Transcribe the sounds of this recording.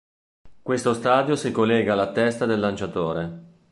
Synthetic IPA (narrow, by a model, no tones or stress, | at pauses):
kwest̪ost̪aːd̪josikolːɛːɡalːat̪ɛst̪ad̪elːant͡ʃat̪oːɾe